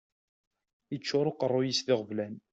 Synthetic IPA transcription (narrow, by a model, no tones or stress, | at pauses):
ət͡ʃːʊɾˤʊqərˤːʊjisθɪʁvlæn